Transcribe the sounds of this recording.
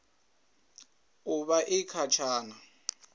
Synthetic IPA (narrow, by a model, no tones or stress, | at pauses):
ʊβaʔɪkʰat͡ʃʰaːna